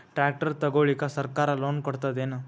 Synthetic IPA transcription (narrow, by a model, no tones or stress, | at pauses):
ʈɾaːk̚ʈɐɾt̪ɐɡoːɭikɐsɐɾkaːɾɐloːnkɔɽt̪ɐd̪eːnu